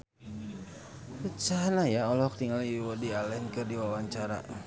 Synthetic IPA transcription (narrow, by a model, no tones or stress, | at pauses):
rət͡ʃanajaɔlɔhk̚t̪iŋalwɔdialɛnkɨrdiwawaɲt͡ʃaɾa̰